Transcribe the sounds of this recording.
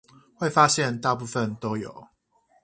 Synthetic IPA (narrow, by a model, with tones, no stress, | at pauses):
we˥˨ɪfa˦˥ɕjɛ˥˨nt̪a˥˧p̬u˥˧˨fə˥˨nt̪o˦˥ʊjo̰˨˩˦ʊ